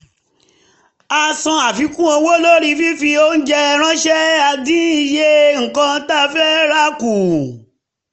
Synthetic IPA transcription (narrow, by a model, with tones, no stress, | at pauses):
a˧sɔ̃˧a˨fi˨˧kũ˦o˧wo˦lo˦ɾi˧fi˦fi˧o˦n̩˦d͡ʒɛ˧ɾ̃ã˦ʃɛ˦a˧dĩ˦i˨je˦ŋ̩˨kã˧˦ta˦fɛ˦ɾa˦ku˨